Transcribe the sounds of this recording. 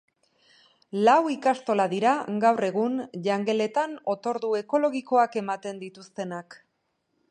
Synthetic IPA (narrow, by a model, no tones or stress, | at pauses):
lawikast̪o̞laðiɾaɡawre̞ɣ̞unʎaŋɡe̞le̞t̪ano̞t̪o̞ɾðue̞ko̞lo̞ɣiko̞ake̞mat̪e̞nd̪it̪ust̪e̞nak